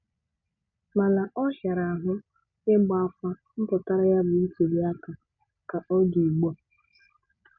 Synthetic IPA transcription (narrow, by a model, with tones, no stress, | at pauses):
ma˨la˨ʔɔ˦ʃa˨ɾa˨a˨ɦʊ˦ | nɪ˦ŋ͡m̩˦ɡ͡ba˦a˦fʷa˦ | m̩˦pʊ˨ta˦ɾa˦ja˦bʊ˨n̩˦te˨li˦a˦ka˨ | ka˨ʔɔ˦du˨i˨ɡ͡bɔ˨